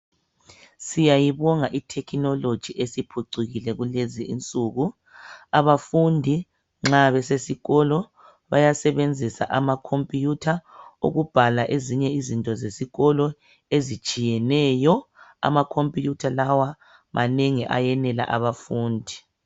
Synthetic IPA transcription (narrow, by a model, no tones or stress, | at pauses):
sijajiβɔŋaʔitʰɛkʰinɔlod̥ʒ̥ʱiʔesipʰuǀuɣilɛɣuleziint͡sʼuɣu | aβafundʱi | ŋ͡ǁaβɛsesiɣɔlɔ | βajasɛβend͡zʱisa̰ʔamakʰompʼijutʰaṵɣub̥ʱalaʔeziɲɛizintʼɔzesiɣɔlɔ | ezit͡ʃʼijɛnɛjɔa̰makʰompʼijutʰalawa | maneŋiʔa̰jɛnɛla̰ʔaβafuːndʱi